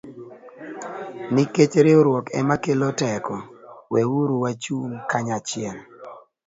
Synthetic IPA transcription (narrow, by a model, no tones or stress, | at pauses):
nɪket͡ʃɾeoɾwɔkɛmakelɔtɛkɔwɛwuɾuwat͡ʃumkaɲat͡ʃɪɛl